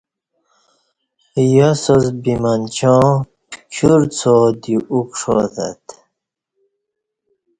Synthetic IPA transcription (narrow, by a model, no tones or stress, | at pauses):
jɔsozbimant͡ɕʰɔ̃ː | kʰuɾt͡sʰod̪iukʂoða̰t̪